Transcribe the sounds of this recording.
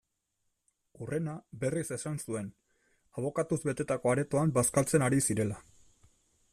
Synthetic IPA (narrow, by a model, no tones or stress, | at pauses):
ure̞nabe̞rise̞sansue̞n | aβ̞o̞kat̪uzβe̞t̪e̞t̪ako̞aɾe̞t̪o̞ambaskalt͡se̞naɾisiɾe̞la